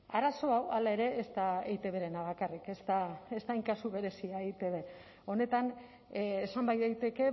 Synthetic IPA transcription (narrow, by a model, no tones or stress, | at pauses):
aɾaso̞awalae̞ɾe̞ːst̪aejt̪e̞βe̞ɾe̞naβ̞akarike̞st̪aest̪ajŋkasuβe̞ɾe̞siaejt̪e̞β̞e̞ | o̞ne̞t̪anː | sambajðejt̪e̞ke̞